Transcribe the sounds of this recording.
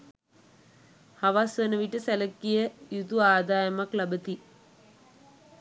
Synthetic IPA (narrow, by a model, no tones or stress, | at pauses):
haʋasʋənəʋiʈəsæləkːijəjut̪uaːd̪aːjɐmaklabət̪i